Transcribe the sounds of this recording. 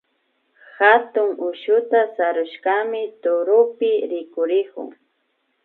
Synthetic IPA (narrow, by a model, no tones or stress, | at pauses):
xat̪ʊŋʊʃʊt̪asaɾʊʃkamɪt̪ʊɾʊpɪɾɪkʊɾɪkʊ̰ŋ